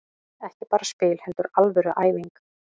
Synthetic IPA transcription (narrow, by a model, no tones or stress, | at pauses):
ɛhcɪpaːɾaspɪːlhɛnt̪ʏɾalvɛɾʏʔaːjviŋk